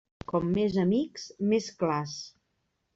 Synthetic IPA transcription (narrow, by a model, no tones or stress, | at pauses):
kɔmːezəmiksmesklas